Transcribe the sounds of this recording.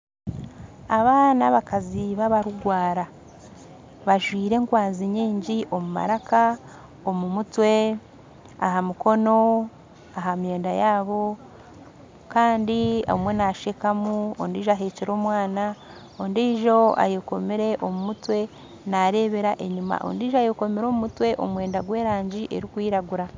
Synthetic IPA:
aβaːnaβakaziβaβaɾuɡwaːɾa | βaʒwiːɾe̞ŋkwaːnziɲiːɲɟiʔo̞muma̰ɾaka | o̞mumutwe̞ | aɦamuko̞no̞ | aɦamje̞ːndajaːβo̞ | kaːndia̰umwe̞naʃekamuo̰ndiːʒoaɦeːceɾo̞ːmwaːna | ondiːʒo̞a̰joko̞meɾe̞ʔo̞mumutwe̞ | naɾe̞βe̞ɾaʔe̞ɲuma̰ʔo̰ndiːʒoajoko̞meɾo̞ːmumutwe̞ʔo̰mwe̞ːndaɡwe̞ːɾaːɲɟiʔe̞̰ɾikwiːɾaɡuɾa

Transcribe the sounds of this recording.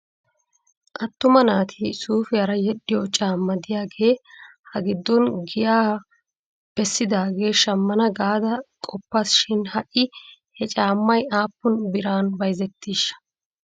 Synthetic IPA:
ʔɐt̪ːʊmɐnaːt̪ʰisuːfɪɐɾɐjɛɗːɪjɔt͡ʃʼaːmːɐd̪ɪjaːɡe̞ːhɐɡɪd̪ːɔnɡɪjaː | b̥ɛsːɪd̪aːɡe̞ːʃɐmːɐnɐɡaːd̪ɐkʼɔpːasʃɪnhɐʔɪhɛt͡ʃʼaːmːɐjaːpːʊnbɪɾaːnbɐjzɛt̪ːiːʃɐ̥

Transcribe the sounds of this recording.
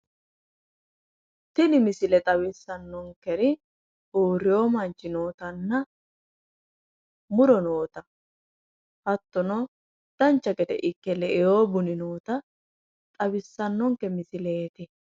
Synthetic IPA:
t̪ɪnɪmɪsɪlɛt̪ʼɐwɪsːɐnːɔŋkɛɾɪ | oːɾɪjoːmɐnt͡ʃːɪno̞ːt̪ɐnːɐ | mʊɾɔnoːt̪ɐ | hɐt̪ːɔnɔ | d̪̥ɐnt͡ʃːɐkɛt̪ɛ̰ʔɪkːɛlɛʔɛjoːbʊnɪnoːt̪ɐ | t̪ʼɐbɪsːɐnːɔŋkːɛmɪsɪleːt̪ɪ

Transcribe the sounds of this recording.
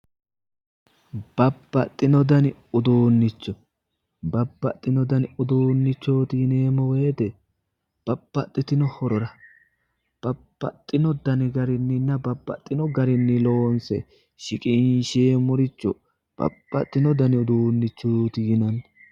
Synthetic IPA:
b̥ɐbːɐt̪ʼːɪnɔd̪ɐnɪʊd̪oːnːɪt͡ʃːɔ | bɐbːɐt̪ʼːɪnɔd̪ɐnʊd̪oːnːɪt͡ʃːoːt̪ɪɪneːmɔweːd̪ɛ | b̥ɐb̥ːɐt̪ʼːɪt̪ɪnɔhɔɾɔɾɐ | b̥ɐb̥ːɐ̰t̪ʼːɪnɔd̪ɐnɪɡɐɾɪnːɪnːɐbɐbːɐ̰t̪ʼːɪnɔɡɐɾɪnːɪloːnsɛ̰ | ʃɪkʼɪnʃeːmɔɾɪt͡ʃːɔ | b̥ɐ̰b̥ːɐ̰t̪ʼːɪnɔd̪ɐnɪʊd̪oːnːɪt͡ʃːoːt̪ɪjɪnɐn

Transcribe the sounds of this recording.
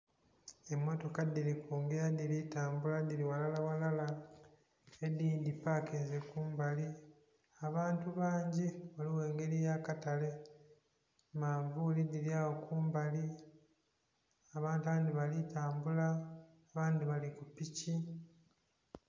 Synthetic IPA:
e̞mːo̞to̞kad̪ilikuːŋɡeɾad̪ilitaːmbulad̪iliwalalawalala | ediːndipakezekuːmbali | aβaːntuβaːɲɟiβaliwe̞ːŋɡe̞ɾijakatale̞ | maːɱvulidiljawokuːmbali | aβaːntaβaːnd̪iβalitaːmbula | βaːndiβalikupici

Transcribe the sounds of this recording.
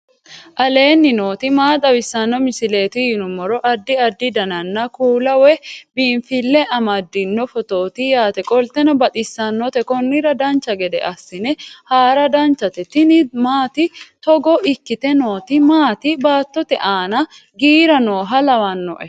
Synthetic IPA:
ʔɐle̞ːnːɪno̞ːt̪ɪmaːt̪ʼɐbɪsːɐnːɔmɪsɪle̞ːt̪ɪjɪnʊmːɔɾɔʔɐd̪ːɪɐd̪ːɪd̪ɐnɐnːɐkuːlɐwɛbiːɱfɪlːɛʔɐmɐd̪ːɪnːɔfɔt̪oːt̪ɪjaːt̪ɛkʼɔlt̪ɛnɐbɐt̪ʼɪsːɐnːɔt̪ɛkɔnːɪɾɐd̪ɐnt͡ʃːɐɡɛd̪ɛ̰ʔɐsːɪnɛhaːɾɐd̪ɐnt͡ʃːɐt̪ɛt̪ɪnɪmaːt̪ɪt̪ɔɡɔʔɪkːɪt̪ɛno̞ːt̪ɪmaːt̪ɪbaːt̪ːɔt̪ɛʔaːnɐ | ɡiːɾɐnoːɦɐlɐwɐnːɔ̰ʔɛ

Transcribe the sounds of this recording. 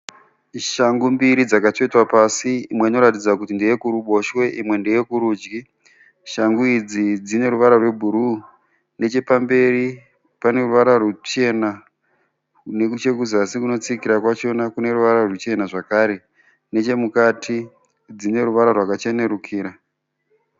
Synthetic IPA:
ʃaŋɡumbiɾid͡zakato̞itwapasiimwe̞ino̞ɾatid͡zakutindejekuɾuɓo̞ʃwe̞ʔimwe̞ndejekuɾuːd͡ʒɡi | ʃaŋɡuid͡zid͡zine̞ɾuʋaɾarwe̞bʱuɾu | ne̞t͡ʃe̞pambe̞ɾi | pane̞ruʋaɾarut͡ʃe̞na | ne̞kut͡ʃe̞kuzasikuno̞t͡sikiɾakwat͡ʃo̞nakune̞ɾuʋaɾarut͡ʃe̞naʐakaɾe̞ | ne̞t͡ʃe̞mukatʰi | d͡zine̞ɾuʋaɾarwakat͡ʃene̞ɾukʰiːɾa

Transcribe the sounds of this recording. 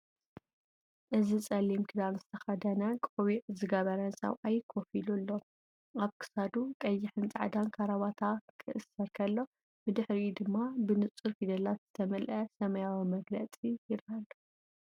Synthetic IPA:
ʔɨzit͡sʼɐlːimkʰɨd̪anzɨt̪ʰɐxɐd̪ɐnakʼoβiʔzɨɡɐβɐɾɐnsɐ̰wʔajkʰofilulːo̞ | ʔaβkʰɨ̥sad̪ukʼɐjːɪħɨnt͡sʼa̰ʕd̪ankʰaɾaβat̪ʰakʰɨʔɨsːɐɾkʰɐlːo̞ | bɨd̪ɨħɾid̪ɨmːabɨnɨt͡sʼɨɾfid̪ɐlat̪z̥ɨt̪ʰɐmɐlʔɐsɐmɐjawimɐɡlɐt͡sʼijɪɾalu

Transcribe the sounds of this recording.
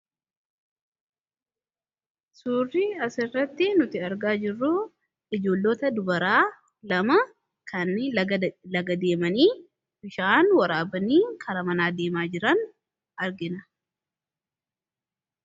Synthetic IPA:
suːrːiɐsɪrːɐt̪ːɪnʊt̪ɪɐɾɡaːd͡ʒɪrːʊ | ɪd͡ʒo̞ːlːoːt̪ɐd̪ʊbɐɾaː | lɐmɐ | kʰɐnɪlɐɡɐd̪e̞ːmɐniː | bɪʃaːnwɐɾaːbɐniːkʰɐɾɐmɐnaːd̪eːmaːd͡ʒɪɾɐn | ɐɾɡɪnɐ

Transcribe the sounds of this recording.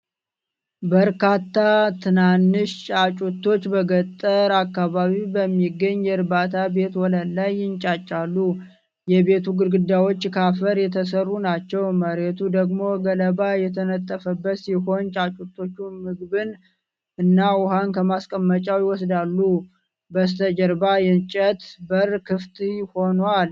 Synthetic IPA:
bəɾkat̪ːat̪ʰɨnanːɨʃt͡ʃʼat͡ʃʼut̪ːo̞t͡ʃːbəɡət̪ʼːəɾakːaβaβiwbəmːiɡːəɲːjɛɾbat̪ʰabe̞t̪wɔləlajːɪnt͡ʃʼat͡ʃʼːalːu | jɛβe̞t̪ʰuɡɨɾɡɨd̪ːawo̞t͡ʃːkʰafəɾjɛt̪ʰəsərːunat͡ʃːɛwməɾet̪ʰud̪əɡmo̞ɡələbajɛt̪ʰənət̪ʼːəfəbːət̪siho̞nt͡ʃʼat͡ʃʼut̪ʰːo̞t͡ʃːumɨɡbɨn | ʔɨnːawʊhankʰəmaskʼəmːət͡ʃʼawjɪwɔsd̪alːu | bəs̬t̪ʰəd͡ʒəɾbajɛnt͡ʃʼət̪bəɾkʰɨft̪ʰʼho̞nwal

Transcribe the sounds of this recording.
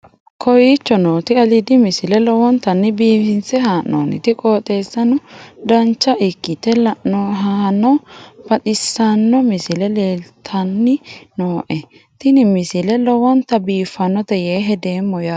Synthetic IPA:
kʰɔjit͡ʃːɔnoːt̪ɪɐlɪd̪ɪmɪsɪlɛlɔwɔnt̪ɐnːɪbiːfɪnsɛɦaːnːo̰ːnɪ̰t̪ɪkʼoːt̪ʼe̞ːsːɐnʊd̪ɐnt͡ʃːɐʔɪkːɪt̪ɛlɐʔnɔɦanɔb̥ɐt̪ɪsːɐnːɔmɪsɪlɛleːlt̪ʰɐnːɪnoːʔɛ | t̪ɪnɪmɪsɪlɛlɔwɔnt̪ɐbiːfːɐnːɔt̪ɛjeːɦɛd̪eːmːɔja

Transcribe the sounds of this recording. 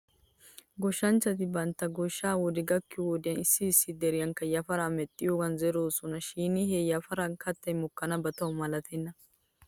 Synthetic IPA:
ɡɔʃːɐnt͡ʃːɐt̪ɪbɐnt̪ːɐɡɔʃːaːwɔd̪ɪɡɐkːɪwɔd̪ɪjɐnɪsːɪːsːɪd̪ɛɾɪjɐŋkːɐjɐfɐɾaːmɛt̪ʼːɪjoːɡɐnzɛɾoːsɔnɐʃiːnɪhɛjɐfɐɾankʰɐt̪ːɐjmɔkːɐnɐbɐt̪ɐwmɐlɐt̪ʰɛnːɐ

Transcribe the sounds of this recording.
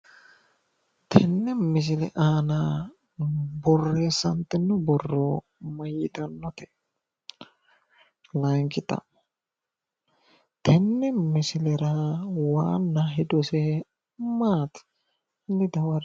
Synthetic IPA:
t̪ʰɛnːɛmɪs̬ɪlɛ̰ʔaːna | bɔrːesɐnt̪ːɛnːʊbɔrːɔ | mɐjɪt̪ɐnːɔt̪ɛ | lɐŋkɪt̪ɐ̰ | t̪ʰɛnːɛmɪsɪlɛɾɐwaːnːɐɦɪd̪ɔsɛ | maːt̪ | nːɪd̪ɐwɐɾ

